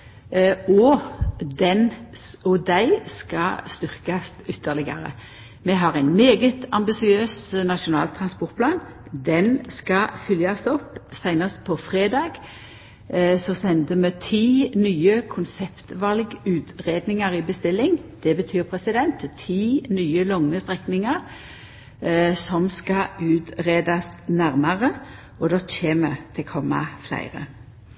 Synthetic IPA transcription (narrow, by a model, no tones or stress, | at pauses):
ɔ | d̪ɛnɔd̪æɪskɑst̪ʏʁkɑsʏt̪ʰːəʁlɪɡə̰ɾə̰ | mɛɦɑʁæɪnmeːɡət̪ɑmbɪsɪøːsnɑʃʊnɑ̰ːlt̪ʰɾɑnspɔʁt̪pʰlɑːn | d̪ɛnskɑfʏljɑst̪ɔpːsæɪnəst̪̚pʰɔfʁeːd̪ɑːɡ | sɔsɛnd̪əmɛt̪ʰiːnyːəkʰʊnsɛpt̪ʋɑlɡʉːt̪ʁeːd̪nɪŋɑʁibəst̪ɪlːɪŋd̪̥ɛbət̪ʰyːʁpʰʁɛsɪd̪ɛnt̪t̪ʰiːnyːəlɔŋːəst̪ʁɛknɪŋɑʁ | sɔmskɑʉːt̪ʁeːd̪ɑsnæʁmɑʁə | ɔd̪ɑːt͡ʃeːmət̪ʰɪlkʰɔmːɑ̰flæ̰ɪʁə̰